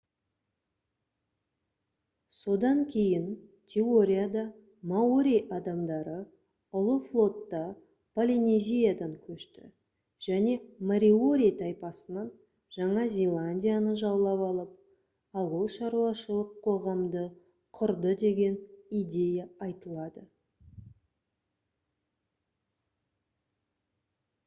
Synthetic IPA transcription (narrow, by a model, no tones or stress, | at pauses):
so̞d̪ɑŋkʲʰe̞jɪnt̪ʲʰeo̞ɾʲijad̪ɑ | maoɾʲijʔɑd̪ɑmd̪ɑɾə | ʊlˠəflˠo̞t̪ːɑ | polʲinezʲijad̪ɑŋkʲʰɵʃt̪ɪ̰ | ʒ̥æne̞maɾʲio̞ɾʲijt̪ʰɑjpɑsənɑn | ʒ̥ɑɴɑzʲelˠanʲdʲijanəʒɑwlˠɑpɑlˠəp̚ | ɑwəlˠʃɑɾuɑʃəlˠəqʰːo̞ʁɑmd̪ə | qʰʊɾd̪əd̪e̞ɡʲe̞nijd̪ʲe̞jaɑjt̪əlˠɑd̪ə